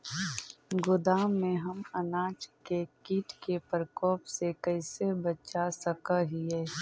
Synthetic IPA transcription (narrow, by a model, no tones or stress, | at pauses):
ɡʊd̪aːmːẽɦɐmənaːt͡ʃkekiːʈkepəɾəkɔːpsekəɪsebət͡ʃasəkəɦiɛː